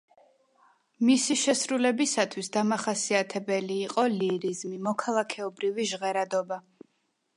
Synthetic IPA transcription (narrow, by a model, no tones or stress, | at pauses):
misiʃɛsɾulɛbisat̪ʰwisd̪amaχasiat̪ʰɛbɛliːqʼɔliɾizmimɔkʰalˠakʰɛɔbɾiviʒʁɛɾad̪ɔba